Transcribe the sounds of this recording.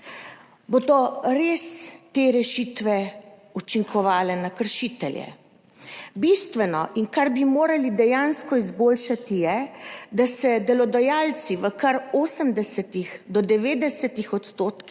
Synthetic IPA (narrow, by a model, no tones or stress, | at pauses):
bod̪ɔɾeːst̪eːɾɛʃiːt̪ʋɛut͡ʃiŋkʰɔʋaːlɛnakəɾʃiːt̪ɛljɛ̰ | bist̪ʋɛnɔʔiŋkaɾbimoːɾalid̪ɛjaːnskɔizboːlʃat̪ijɛd̪asɛd̪ɛlɔd̪ajaːlt̪siʋəkaɾoːsəmd̪ɛsɛt̪ixd̪ɔd̪ɛʋeːd̪ɛsɛt̪ixɔt̪st̪oːt̪k